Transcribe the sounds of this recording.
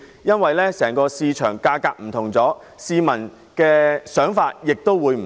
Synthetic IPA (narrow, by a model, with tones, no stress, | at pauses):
jɐ˥nwɐ˨jlɛː˥sɛː˨˩ŋkɔː˧siː˧t͡ʃʰœ̰ː˨˩ŋkaː˧kaː˧k̚m̩˨˩t̪ʰʊ˨˩ŋt͡sɔː˨˥ | siː˧mɐ˨˩n | kɛː˧sœː˨˥ŋfaː˧t̚jɪ˨k̚t̪o˥wwuː˨˧jm̩˨